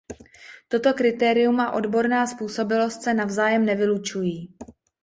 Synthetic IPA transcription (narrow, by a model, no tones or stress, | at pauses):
t̪o̞t̪o̞kɾɪt̪ɛːɾɪjumaʔo̞dbo̞ɾnaːspuːso̞bɪlo̞st̪sɛnavzaːjɛmnɛvɪlut͡ʃujiː